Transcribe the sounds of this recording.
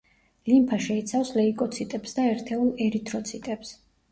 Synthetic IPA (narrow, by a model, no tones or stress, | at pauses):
limpʰaʃɛit̪sʰafslɛikʼɔt̪sʰit̪ʼɛpsd̪aɛɾt̪ʰɛulˠɛɾit̪ʰɾɔt̪sʰit̪ʼɛps